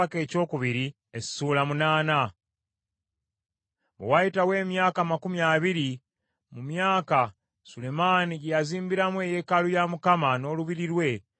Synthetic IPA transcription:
ake̞ːco̞ːkuβiɾi | essuːlamunaːna | βewajitawe̞ːmjaːkamakumjaːβiɾi | mumjaːka | sule̞maːniɟjaziːmbiɾamwe̞je̞kalujamukamano̞ːluβiɾiɾwe̞

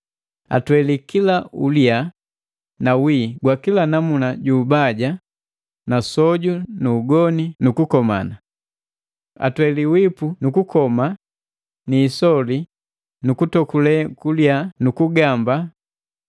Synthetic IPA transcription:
a̰twɛlikilaulja | nawiɡwakilanamunaɟuːbaɟa | nasɔɟunuːɡɔninukukɔma̰na | a̰twɛliwipunukukɔma | niːsɔli | nukutɔkulɛkuljanukuɡamba

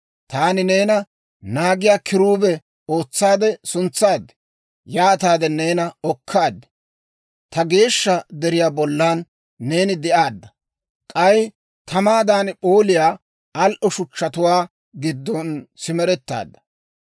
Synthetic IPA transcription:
t̪aːnɪne̞ːnɐ | naːɡɪjaːkʰɪɾuːbɛ | o̞ːt͡sːaːd̪ɛsʊnt͡sːaːd̪ɛ̥ | jaːt̪aːd̪ɛne̞ːnɐɔkʰːaːd̪ːɛ̥ | t̪ɐɡe̞ːʃːɐd̪ɛɾɪjaːbɔlːaːnː | e̞ːnɪd̪ɪʔaːd̪ːɐ | kʼɐj | t̪ɐmaːd̪aːnpʼo̞ːlɪjaː | ɐlʔɔʃʊt͡ʃːɐt̪ʊwaː | ɡɪd̪ːɔnsɪmɛɾɛt̪ːa̰ːd̪ːɐ̥

